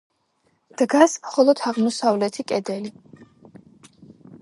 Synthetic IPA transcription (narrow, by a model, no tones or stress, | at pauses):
d̪̥ɡasmχɔlˠɔd̪ʰaʁmɔsavlɛt̪ʰikʼɛd̪ɛli